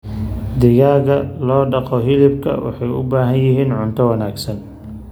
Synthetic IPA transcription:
d̪ɪɣaːɣɐlɔːɖɑqɔɦɪlɪbkʰɐ̰wɑ̰ħɑjʊ̰baːɦɐnjɪɦiːnʕʊnt̪ʰɐwɐnaːɡsɐn

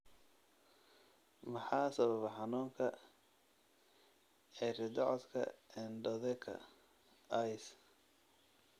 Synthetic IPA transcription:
mɑħɑːsɐβɐβɐħɑnuːŋkʰɐ | ɛːrɪd̪ɔʕɔd̪kʰɐ̰ɛːnɖɔðɛkʰɐ̰ | ɐjs

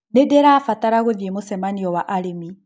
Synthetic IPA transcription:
nedɛɾaːfataɾaɣoðiemosɛmaniɔwaʔaɾemi

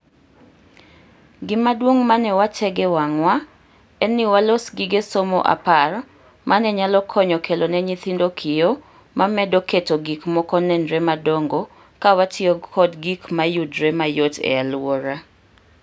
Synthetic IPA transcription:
ɡɪmadwoŋmanɛwat͡ʃɛɡɛwaŋwa | ɛnːɪwalosɡɪɡesomɔ̰ʔa̰par | mʔanɛɲalɔkʰɔɲɔkʰelonɛɲit̪indokʰɪjo | mʔamɛdoketoɡikmɔkɔnɛndɾemadɔŋɡo | kawatiɔkʰɔdɡikmajudɾemajotʰḛalwoɾa

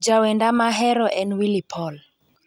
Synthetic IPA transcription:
d͡ʒawɛndamaɦɛɾɔʔɛnwilipʰɔl

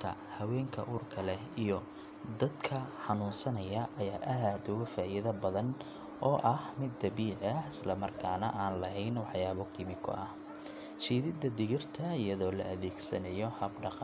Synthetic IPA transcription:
ɐ̰hɐwɛːŋkʰɐ̰ʔuːrkʰɐlɛ | ijɔ | d̪ɐd̪kʰɐħɑnuːnsɐnɐjɐʔɐjaːʔɐɦad̪ɔwɐfaːʔiðɐbɐðɐn | ʔɔːʔɐhmɪd̪ːɐβiːʕɪɐɪslɐmɐrkʰaːnɐ̰ʔaːnlɐɦɛjnwɑħjaːβɔkʰɪmɪkʰɔ̰ʔɐh | ʃiːðɪd̪ɐd̪ɪɣɪrt̪ʰɐijɐðɔːlɐ̰ʔɐðɛːɡsɐnɐjɔhɐbɖɑq

